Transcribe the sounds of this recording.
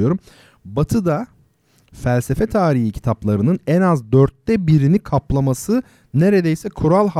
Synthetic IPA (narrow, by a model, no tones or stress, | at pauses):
joɾum | bat̪ʰɯd̪a | fælʲsefɛt̪ʰaːɾiɦicʰi̥t̪ʰaplˠaɾɯnɯnɛnazd̪øɾt̪ːɛbiɾinikʰaplˠamasɯ | neɾed̪ejsɛkʰuɾalʲˠh